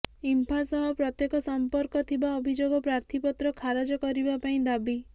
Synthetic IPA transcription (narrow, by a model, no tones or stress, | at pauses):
impʰasɔɦɔpɾɔt̪jekɔsɔmpɔɾkɔt̪ʰibaɔbʱid͡ʒoɡɔpɾaɾt̪ʰipɔt̪ɾɔkʰaɾad͡ʒɔkɔɾibapaĩd̪abi